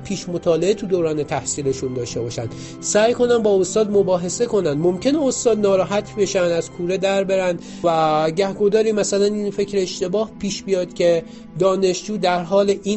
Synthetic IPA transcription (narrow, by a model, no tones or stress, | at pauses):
pʰiːʃmot̪ʰɒːle̞et̪ʰud̪oːɾɒːnet̪ʰæhsiːle̞ʃund̪ɒːʃt̪e̞bɒːʃæ̰nd̪ | sæːjko̞næmbɒːost̪ɒːd̪mo̞bɒːɦe̞se̞ko̞nænd̪momcʰʲe̞neost̪ɒːd̪nɒːɾɒːɦæt̪ʰbe̞ʃænd̪æz̥kʰuːɾed̪æɾbe̞ɾænd̪ | væɟæhɡod̪ɒːɾiːmæsælæninfe̞cʰɾeːʃt̪e̞bɒːhpʰiːʃbijɒːd̪̥cʲʰe̞ | d̪ɒːne̞ʃd͡ʒuːd̪æɾɦɒːleʔi